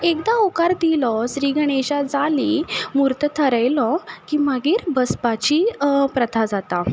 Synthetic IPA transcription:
ekd̪aokaɾd̪ilɔsɾiːɡəɽ̃eɕad͡zalimuɾt̪ət̪ʰəɾəjlɔkiməɡiːɾbəspat͡ɕipɾət̪ʰad͡zat̪a

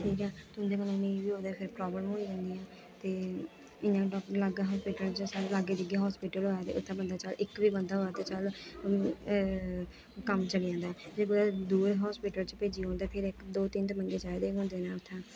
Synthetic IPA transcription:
ʈʰiːkɦɛːt̪ʊʊ̃nd̪eːkənõnə̃ĩbiːɦoːd̪eːpʰɪɾpɾɔːbləmɦoːiːʋə̃nd̪ijãː | t̪eː | ɪnãːɖɔlaɡaːɦɔːspɪʈəlt͡ʃsaːɾelaɡeːd͡ʒ̪əɡeːɦɔːspɪʈəloːaːt̪ḛːʔʊt̪ʰːãːbənd̪aːt͡ʃəlɪkʋiːbənd̪aːɦoːaːt̪eːt͡ʃəl | kəmt͡ʃəɽɪjãːnd̪aːd͡ʒeːɡʊd̪aːd̪uːɾɦɔːspɪːʈəlt͡ʃpeːd͡ʒiːɦoːnd̪aːpʰɪɾɪkd̪oːt̪ɪnt̪emə̃ŋɡeːt͡ʃaːeːd̪eːɦõːnd̪eːnãːʊt̪ʰːãː

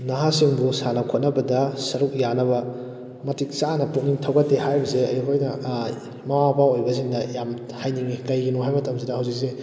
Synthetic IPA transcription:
naɦasiŋbusanɐkʰot̚nɐbɐdɐsɐɾuk̚janɐbɐ | mɐtik̚t͡ʃanɐpuk̚niŋtʰɐwɡɐtːehajbɐzeɐjkʰojnɐ | mɐwapawojbɐziŋdɐjam | hajniŋikɐjɡinoɦajmɐtɐmsidɐɦɐwzik̚se

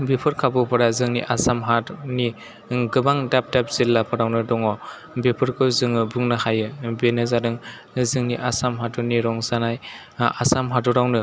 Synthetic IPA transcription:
bepʰɯɾkʰabɯpʰɯɾazɯŋniʔasamɦaɾni | ɡɯbaŋdap̚dap̚zilːapʰɯɾawnɯdɔŋɔ | bepʰɯɾkʰɯzɯŋɯbuŋnahajɯbenɯzadɯŋ | zɯŋniʔasamɦatuniɾɔŋzanaj | asamɦatɔɾawnɯ

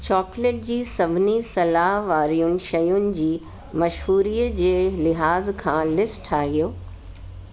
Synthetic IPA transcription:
t͡ɕɔːkleːʈ̚d͡ʑiːsɐbʱɪnisɐlaɦʋaːɾijʊnɪ̆ʃɐjʊnɪ̆d͡ʑiː | mɐʃɦuːɾiːəd͡ʑeːlɪɦaːzkʰãːlɪsʈʰaːɦijoː

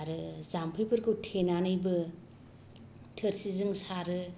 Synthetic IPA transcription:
ɾɯzampʰɯjpʰɯɾkʰɯwtʰenanɯjbɯ | tʰɯɾsizɯŋsaɾɯ

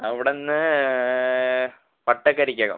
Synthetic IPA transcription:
ɐʋiɽenːɨ | pɐʈːɐkːɐɾikʲːɐːɣɐ̰

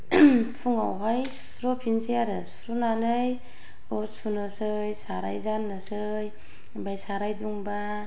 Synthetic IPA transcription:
pʰuŋa̰wɦajsu̥sɾopʰinsijaɾɯsu̥sɾonanɯj | osʰunɯsɯ | jsaɾa̰jzanːɯsɯ | j | bajsaɾajduŋba

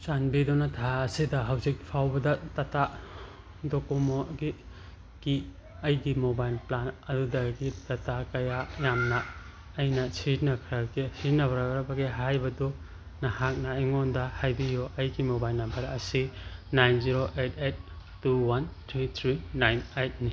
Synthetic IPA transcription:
sanbidonɐtʰaːsidɐɦɐwzik̚pʰawbɐdɐtɐta | dokomoɡi | ki | ɐjɡimobajlplanɐdudɐɡitɐtakɐjajamnɐː | jnɐsiɾnɐkʰɐɾakesiɾnɐbɐɾaɾɐbɐɡeɦajbɐdɔ | nɐhak̚nɐiŋondɐhajbijoʔɐjɡimobajlnɐmbɐɾɐsinajnziɾoʔet̚ʰet̚ː | uwant̪ʰɾit̪ʰɾinajnajt̚ni

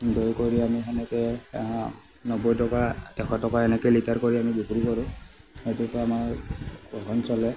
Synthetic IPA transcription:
dojkoɹiamiɛnɛkɛ | nɔbɔjtɔkatɛkʰɔtɔkaɛnɛkɛlitaɹkoɹiamibipuɹikɔɹʊ̃ | hejtupaamaɹɡɔkɔnsɔlɛ

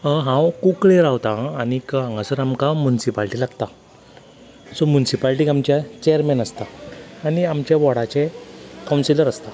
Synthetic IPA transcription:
əɦãwkukɭeɾawt̪ãːñikəãŋɡasəɾamkamjunisipalʈilaɡt̪a | sɔmjunisipalʈikamt͡ɕjat͡ɕɛjəɾmɛnəst̪aːñiamt͡ɕjaʋɔɽat͡ɕekawnsiləɾəst̪a

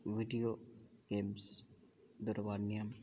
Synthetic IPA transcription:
ʋiɖijoɡ̥eːms | d̪ʊɾʋaːɾnijɐm

